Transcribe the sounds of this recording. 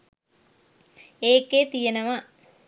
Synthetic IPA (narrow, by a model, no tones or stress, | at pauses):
eːkːeːt̪ijɐnɐma